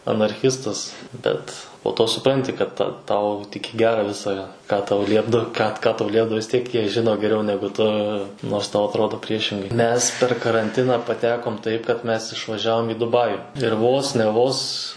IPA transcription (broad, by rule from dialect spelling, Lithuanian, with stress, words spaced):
ɐnɐrʲˈxʲɪstɐs ˈbʲɛt poː toː sʊˈprɐnʲtʲɪ kɐt tɐ ˈtɐʊ tʲɪk ɪ ˈɡʲæːrɐ ˈʋʲɪsɐ kɑː tɐʊ ˈlʲiɛbdɐw kɑː kɐ ˈtɐʊ ˈlʲiɛbdɐʋoː ʋʲɪs ˈtʲiɛk ˈjiɛ ʒʲɪˈnoː ɡʲɛˈrʲɛʊ ˈnʲæːɡʊ tʊ noːrs ˈtɐʊ ɐtˈroːdoː ˈpʲrʲiɛʃʲɪŋɡɐɪ ˈmʲɛs pʲɛr kɐrɐnʲˈtʲɪnɑː pɐˈtʲæːkoːm ˈtɐɪp kɐt ˈmʲɛs ɪʃʋɐˈʒʲæːʋoːm iː dʊˈbɑːjʊ ɪr ˈʋoːs nʲɛ ˈʋoːs